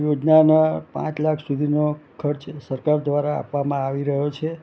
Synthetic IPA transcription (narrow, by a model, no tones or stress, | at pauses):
jod͡ʒnanapã̰t͡ʃlakʰsud̪ʱinokʰəɾt͡ʃsəɾkaɾd̪ʋaɾaa̰pʋamãaʋiɾəɦot͡ʃʰe